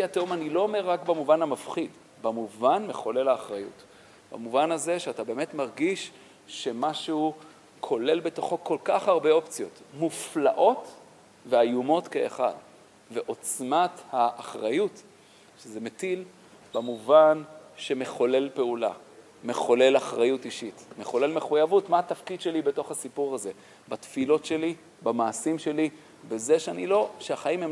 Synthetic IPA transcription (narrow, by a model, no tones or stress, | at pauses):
atomanilo̞ome̞ʁːakbamuvanhamafχid | bamuvanmeχo̞le̞laːχʁajṵt | b̥a̰muvanaze̞ʃeatabe̞ːmetmaʁɡiʃ | ʃe̞maʃeu | kʰo̞le̞lbe̞to̞χo̞ko̞lkaχhaʁbe̞o̞pt͡sijo̞tmuflaʔo̞t | veajumo̞tkḛːχa̰d | ve̞ʔo̞t͡smathaʔːχʁajut | ʃeze̞metil | b̥amuvanʃe̞me̞χo̞le̞lpe̞ula̰ | me̞χo̞le̞laχʁajutiʃitme̞χo̞le̞lmeχujavutmaatafkid̪ʃe̞libe̞to̞χhasipuʁhaze̞ | batfilo̞tʃe̞li | bamaːsimʃeli | bezeʃeanilo̞ʃeaχaimhem